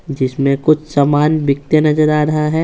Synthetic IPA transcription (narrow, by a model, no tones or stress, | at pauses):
d͡ʒɪsmẽkʊt͡ʃʰsaːmaːnʋɪk̚t̪jənɐzəɾaːɾɐɦaɦɛː